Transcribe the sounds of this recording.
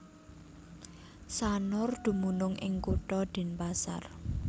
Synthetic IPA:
sanʊrd̪̥ṳmunʊŋʔɪ̰ŋkuʈɔd̪̥i̤npasa̰r

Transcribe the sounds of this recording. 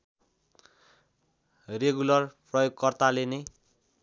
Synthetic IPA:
reɡulʌrprʌjoɡ̚kʌrt̪alene

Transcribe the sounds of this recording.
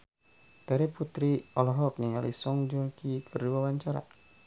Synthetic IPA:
taɾiput̪ɾiɔlɔɦɔk̚niŋalḭsɔŋd͡ʒɔlkikʰərduawaɲt͡ʃaɾa̰

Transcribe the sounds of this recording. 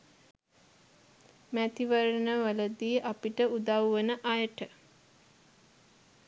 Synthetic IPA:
mæt̪iʋəɾənəʋələd̪iːʔapiʈəud̪awʋənəʔajəʈə

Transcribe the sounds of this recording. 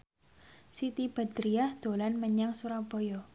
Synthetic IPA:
sit̪ib̥a̤d̪ɾiahd̪̥o̤lanməɲaŋsuɾab̥ɔjɔ

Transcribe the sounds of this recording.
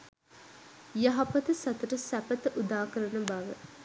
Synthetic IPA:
jɐɦɐpɐt̪əsɐt̪ɐʈəsæpɐt̪əʔud̪aːkəɾɐnəbɐʋə

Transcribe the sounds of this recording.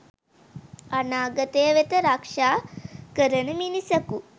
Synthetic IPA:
ɐnaːɡɐt̪eːʋet̪ɐɾaːkʂaːkɐɾɐnɐminisɐku

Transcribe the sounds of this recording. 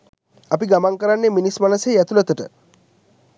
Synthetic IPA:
apiɡamaŋkəɾanːeminismanəsejæt̪ulət̪əʈə̰

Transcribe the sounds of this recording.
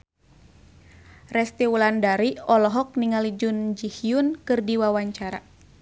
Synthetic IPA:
rɛst̪iwulandaɾiɔlɔɦɔk̚niŋalid͡ʒund͡ʒihiunkɨrdiwawaɲt͡ʃaɾa̰

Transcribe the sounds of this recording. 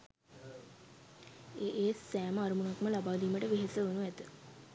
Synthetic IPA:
eʔeːsæːməaɾəmunakməlabaːliːməʈəʋeɦesəʋonuæt̪ə

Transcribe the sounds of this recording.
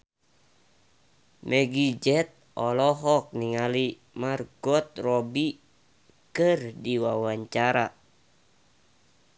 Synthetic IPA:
mɛɡid͡ʒɛt̪̚ | ɔlɔɦɔk̚niŋali | marɡɔt̪̚rɔbi | kɨrdiwawaɲt͡ʃaɾa

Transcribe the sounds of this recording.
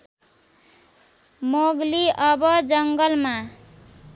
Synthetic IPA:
moɡliʔʌbʌd͡zʌŋɡʌlma

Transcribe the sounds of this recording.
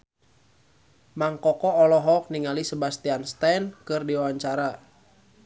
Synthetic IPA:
maŋkɔkɔːlɔɦɔk̚niŋalisəbast̪ianst̪ɛnkɨrdiwawaɲt͡ʃaɾa

